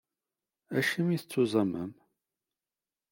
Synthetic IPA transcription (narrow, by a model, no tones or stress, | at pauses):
æʃəmiθət͡sːuzˤɑmə̰m